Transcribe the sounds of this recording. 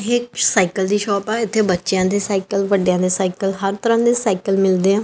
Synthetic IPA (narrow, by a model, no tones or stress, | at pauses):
ɦɪksaːɪkəld̪iːʃɔːpɛːɪt̪ʰːeːbətːʃjãːd̪eːsaːɪkəlʋəɖejãːd̪eːsaːɪkəlɦəɾt̪əɾãːd̪eːsaːɪkəlmɪld̪eːɛ̃ː